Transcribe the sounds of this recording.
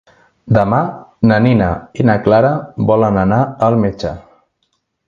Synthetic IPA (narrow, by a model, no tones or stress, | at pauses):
d̪əmanəninəinaklaɾəbɔlənənaəlˠmet͡ʃə̰